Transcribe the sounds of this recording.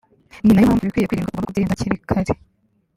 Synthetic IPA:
ninajimhaːɱvujikwiːjekwiːɾiːŋɡakumanokudiiːdaciɾikʰaɾe

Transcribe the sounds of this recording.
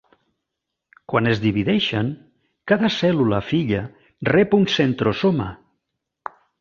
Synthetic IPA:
kwanezðiβiðɛʃaŋ | kaðasɛlulafiʎa | rɛpunsent̪ɾosoma̰

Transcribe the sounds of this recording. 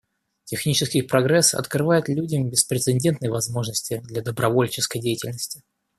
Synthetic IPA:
tʲɪxnʲit͡ɕɪskʲɪjpɾɐɡɾɛsɐ̰t̪krɨvajɪt̪lʲudʲəmbʲɪspɾʲɪt̪sɨnʲdʲe̞nt̪nəjəvɐzmo̞ʐnəsʲtʲɪd̪lʲɐd̪əbɾɐvo̞lʲt͡ɕɪskəjdʲejɪtʲɪlʲnəsʲtʲɪ̥

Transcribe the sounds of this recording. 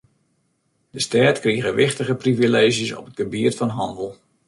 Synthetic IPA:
dəstɛːtkriɣəʋɪχtəɣəprivileːʒjəsɔ̰pət̚ɡəbiərtfɔnɦɑ̰ndəlˠ

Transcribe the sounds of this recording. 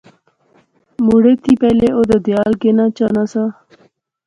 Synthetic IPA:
muɽet̪ʰiːpɛleʔod̪əd̪jaːlɡenat͡ɕanasa

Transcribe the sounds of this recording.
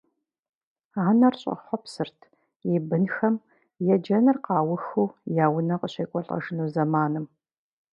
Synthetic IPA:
aːnɐrɕʼɐ̰χʷɔpsɨrtʰ | jibɨnxɐm | jɛd͡ʒɐnɨrqɑːwʊxuːjaːwʊnɐqəɕɐːkʷʼɔɬʼɐ̰ʒɨnuːzɐmaːnɨm

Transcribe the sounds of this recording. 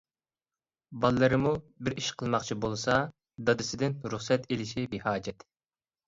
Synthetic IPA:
bɑlˠːɨɾɨmubɪɾiʃqʰəlˠmɑχt͡ʃʰibolˠsɑ | d̪ɑd̪ɨsɪd̪ɪnɾuχsɛt̪elɪʃibihɑːd͡ʒɛt̪

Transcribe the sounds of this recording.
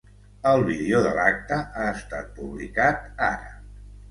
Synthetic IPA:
əlˠβiðeoðəlak̚t̪əʔaəst̪at̪̚puβlikat̪aɾə

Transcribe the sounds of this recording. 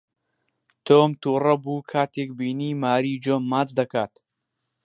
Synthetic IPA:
t̪ʰoːmt̪uːrɐbuːkʰaːt̪ʰeːk̚biːniːmaːɾiːd͡ʒoːmːaːt͡sd̪ɐkaːt̪

